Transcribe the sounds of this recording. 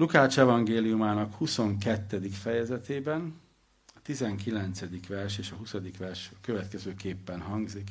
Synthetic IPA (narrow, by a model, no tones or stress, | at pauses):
lukaːt͡ʃɛvɒŋɡeːlijumaːnɒkhuso̞ŋkɛt̪ːɛd̪ikfɛjɛzɛt̪eːbɛn | ɒt̪izɛŋkilɛnt̪sɛd̪ikʋɛrʃeːʃɒɦusɒd̪ikʋɛrʃkøvɛt̪kɛzøːkeːpːɛnɦɒŋɡzik